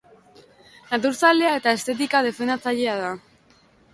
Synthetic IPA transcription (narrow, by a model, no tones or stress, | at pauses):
nat̪̬uɾsale̞ae̞t̪ae̞st̪e̞t̪ikað̞e̞fend̪at͡saʎe̞að̞a